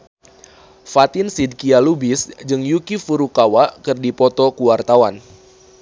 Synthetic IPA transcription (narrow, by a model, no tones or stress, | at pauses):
fat̪ɪnsid̚kialubɪsd͡ʒɨŋjukifuɾukawaʔkɨrdipɔt̪ɔkuwart̪awan